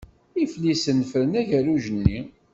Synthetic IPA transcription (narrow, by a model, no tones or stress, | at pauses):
iflisənːfəɾənæʝæɾuʒənːi